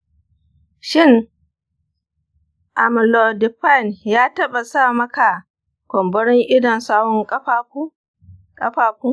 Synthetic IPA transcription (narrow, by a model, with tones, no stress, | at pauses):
ʃɪ˦˨ŋ | ʔa̰˨m˨lo˨dɪ˨ɸa˦˨njaː˦tɐ˦ɓa˨saː˦˨mɐ˦ka˨ | kʷɔ˨mbɐ˦ɽɪ˦ŋʔɪ˦dɔ˨nsaː˦wɔ˦ŋkʼɸa˦ku˦ | kʼɐ˦ɸaː˨kuː˦